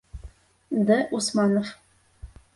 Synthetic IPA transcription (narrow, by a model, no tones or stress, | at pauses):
d̪æʔusmɑnof